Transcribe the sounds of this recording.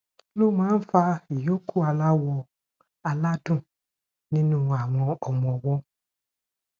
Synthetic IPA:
lo˦˨mãː˨˦n̩˦fa˧i˨jo˦kʰu˦˨a˧la˦wɔ˧ | a˧la˦dũ˦˨ | nĩ˦nũ˦a˨w̃ɔ̃˧ɔ˨mɔ̃˨wɔ˦

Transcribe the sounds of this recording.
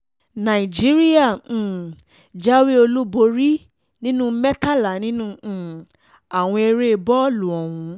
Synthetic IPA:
nã˨i˨d͡ʒi˦ɾi˦ã˦˨ | d͡ʒa˦wi˦o˧lu˦bo˧ɾi˦ | nĩ˦nũ˦mɛ˦ta˦la˨nĩ˦nũ˦˨ | a˨w̃ɔ̃˧e˧ɾe˦˧bɔ˦lu˨ɔ˨wũ˧

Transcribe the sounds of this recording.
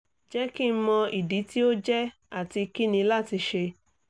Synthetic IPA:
d͡ʒɛ˦ki˦˨m̩˦mɔ̃˧i˨di˨˦ti˦o˦d͡ʒɛ˦ | a˨ti˧ki˦nĩ˧la˦˨ti˧ʃe˧

